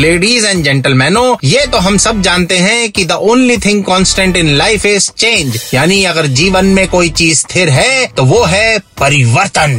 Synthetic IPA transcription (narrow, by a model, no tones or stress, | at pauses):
leːɖiːzɛ̃ːɳɖd͡ʒɛ̃ɳʈəlmɛːnojet̪oɦɐmsɐb̚d͡ʒaːnt̪eɦɛ̃kid̪ɐʔõːnlit̪ʰɪ̃ŋɡkɔ̃ːnsʈɛ̃ɳʈɪ̃nlaːɪfɪzt͡ʃẽːɲd͡ʒjaːniɐɡəɾd͡ʒiːʋənmẽkoːit͡ʃiːzt̪ʰɪɾɦɛt̪oʋoːɦɛpɐɾɪʋəɾt̪ən